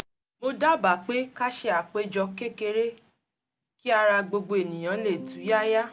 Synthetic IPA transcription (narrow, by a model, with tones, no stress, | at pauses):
mo˧da˦ba˨˦˨k͡pe˦ka˦ʃe˧a˨k͡pe˦d͡ʒɔ˧ke˦ke˧ɾe˦ | ki˦a˧ɾa˧ɡ͡bo˧ɡ͡bo˧e˨nĩ˨j̃ã˨˦le˦˨du˨˦ja˦ja˦